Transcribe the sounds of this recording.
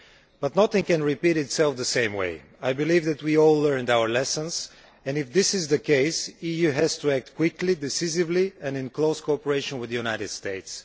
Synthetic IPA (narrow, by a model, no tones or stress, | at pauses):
b̥ʌtnʌθɪ̃ŋkɛ̃nɹɪpiɾɪtsɛlˠfðəsẽɪ̃mwḛɪ | ajbɨlivðɨt̚wiɔlˠːɜ̃˞ndawə˞lɛsə̃nz | ɛ̃nɪfðɪsɪzðɨkeɪsijʉɦæz̥tuæk̚t̚kʰwɪklidɪsɪzɪvliɛ̃nɨ̃nkloʊskoɔpəɹeɪʃə̃nwɪðəjunaɪɾɨd̥steɪts